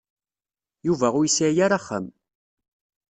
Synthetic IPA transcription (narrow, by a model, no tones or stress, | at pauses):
juvæʁʊjsajaɾaχːə̰m